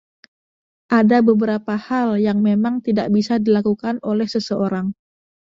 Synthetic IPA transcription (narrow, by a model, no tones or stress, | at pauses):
ʔadabəbəɾapahaljaŋmemaŋt̪idaʔ̚bisadilakukanolɛhsəsəoɾaŋ